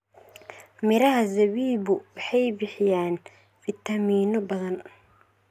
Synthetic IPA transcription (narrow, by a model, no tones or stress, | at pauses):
mɪɾɐɦɐzɐβiːβʊwɑħɑjbɪħɪjaːn | fɪt̪ʰɐmiːnɔbɐðɐn